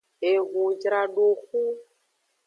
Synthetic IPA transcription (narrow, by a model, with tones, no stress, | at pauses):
e˨ɣu˨d͡ʒɾa˨ɖo˨xu˦